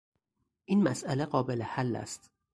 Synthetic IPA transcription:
ʔiːnmæsʔæleɢɒːbe̞lehælːæ̰st̪

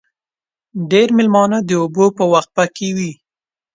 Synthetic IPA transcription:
ɖeɾmɪlmɑnad̪əobopəwaxt̪̚pakewi

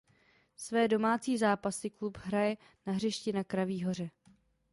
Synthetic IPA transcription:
svɛːdo̞maːt͡siːzaːpasɪklupɦɾajɛ | naɦr̝ɛʃcɪnakɾaviːɦo̞r̝ɛ

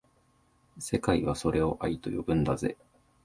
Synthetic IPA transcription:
se̞kaiβaso̞ɾe̞o̞ʔait̪o̞jo̞bɯ̟̃nd̪aze̞̰

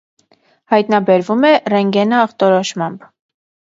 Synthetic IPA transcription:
hɑjt̪nɑbɛɾvumɛrɛŋɡɛnəːχt̪ɔɾɔʃmɑmb

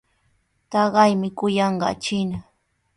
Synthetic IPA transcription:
t̪ɑɢɑjmɪkʊjɑɴɢɑ̰t͡ʃɪna

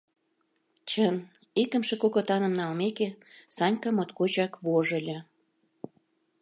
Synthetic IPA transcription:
t͡ɕən | ikə̆mʃĕkokot̪ɑnə̆mnɑlmekesɑnʲkɑmot̪kot͡ɕɑkβoʒə̆lʲɤ̆

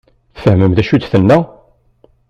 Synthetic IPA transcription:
θfəɦməmðæʃud̪θənːæ

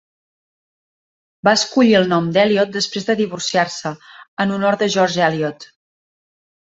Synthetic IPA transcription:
baəskuʎiəlˠnɔmd̪ɛliɔt̪̚d̪əspɾezðəðiβ̞ursiarsəənunɔɾðəʒɔɾʒɛliɔt̪

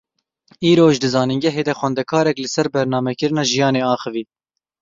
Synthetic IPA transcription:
iːɾoːʒd̪ɨzɑːninɡɛɦeːd̪ɛxwɛnd̪ɛkʰɑːɾɛklɨsɛɾbɛɾnɑːmɛkɨɾɨnɑːʒijɑːneːɑːxɨviː

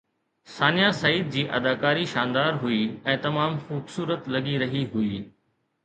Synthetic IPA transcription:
saːnijasɐiːd̪̚d͡ʑiːʔɐd̪aːkaːɾiʃaːnd̪aːɾɦʊiɛ̃ːt̪ɐmaːmxuːbsuːɾət̪lɐɠiɾɐɦiɦʊiː

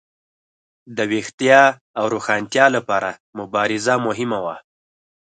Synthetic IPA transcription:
d̪əwext̪jɑ | awɾoxɑnt̪jɑlapɑɾamʊbɑɾɪzamʊɦɪmawa

